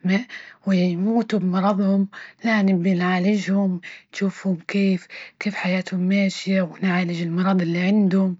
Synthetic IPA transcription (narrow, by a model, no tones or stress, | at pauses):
mawɪjjmuːt̪ʊbmɑɾˤɑðˤhʊmlanɪbjɪnʕaːlɪʒhʊmt̪ʃuːfhʊmkeːfkeːfħajaːt̪hʊmːaːʃjawɪnʕaːlɪd͡ʒɪlmɑɾˤɑðˤɪlːiʕɪnd̪hʊm